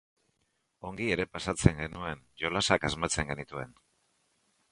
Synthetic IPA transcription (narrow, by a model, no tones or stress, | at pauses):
o̞ŋɡie̞ɾe̞pasat͡se̞ŋɡe̞nue̞nʝo̞lasakazmat͡se̞ŋɡe̞nit̪ue̞n